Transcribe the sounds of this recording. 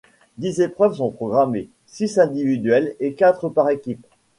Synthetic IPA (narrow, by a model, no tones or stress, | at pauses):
d̪izepχœvs̬ɔ̃pχɔɡʁame | sisɛ̃d̪ivid̪ɥɛlekat̪χəpaʁekʲip